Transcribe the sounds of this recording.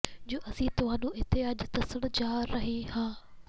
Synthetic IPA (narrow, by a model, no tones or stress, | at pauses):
d͡ʑoːʔɐsĩt̪ʊʋãːnũːɪɦt̪ɪaːd͡ʑt̪ɐsəɽ̃d͡ʑaːɾɾɐɦĩɦãː